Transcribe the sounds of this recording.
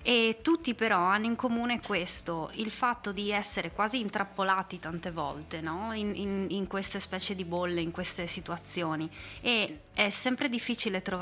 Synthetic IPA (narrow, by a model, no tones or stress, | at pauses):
et̪ːut̪ːipeɾɔanːoiŋkomuːnekwest̪oilfat̪ːod̪iɛsːeɾekwaːziːnt̪ɾapːolaːt̪it̪ant̪evɔ̰lt̪enɔininiŋkwest̪espɛːt͡ʃjed̪ibolːeiŋkwest̪esit̪uat̪sːjoːnie | ɛsɛmpɾed̪ifːiːt͡ʃilet̪ɾo